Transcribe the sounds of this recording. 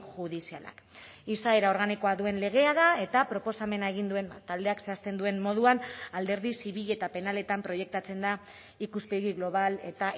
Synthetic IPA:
ʝuðisiala̰kisae̞ɾao̞ɾɣaniko̞aðue̞nle̞ɣ̞e̞aðae̞t̪apɾo̞po̞same̞nae̞ɣind̪ue̞nt̪ald̪e̞akse̞ast̪e̞nd̪ue̞nmo̞ð̞uanald̪e̞ɾðisiβiʎe̞t̪ape̞nale̞t̪ampɾo̞je̞k̚t̪at͡se̞nd̪a | ikuspeɣiɣlo̞β̞ale̞t̪a

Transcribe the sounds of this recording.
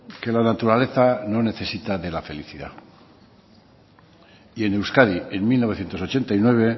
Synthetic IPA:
ke̞lanat̪uɾale̞θano̞ne̞θe̞sit̪aðe̞lafe̞liθiða̰ | ie̞newskaðienmilnoβe̞θje̞nt̪osot͡ʃe̞nt̪ainwe̞β̞e̞

